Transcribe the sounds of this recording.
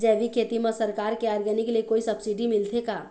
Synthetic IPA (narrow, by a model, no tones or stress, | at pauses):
d͡ʒɛʋikʰeːt̪imãsəɾkaːɾkeaːɾɡənikeliekoːisɐbsiɖimɪlt̪ʰekaː